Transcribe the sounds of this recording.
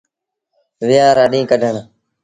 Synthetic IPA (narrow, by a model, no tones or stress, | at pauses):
ʋɪjãːɾaːɗĩːkəɖʱəɳ